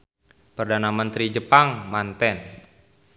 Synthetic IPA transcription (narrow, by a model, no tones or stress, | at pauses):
pərdanamənt̪ɾid͡ʒəpaŋmant̪ɛn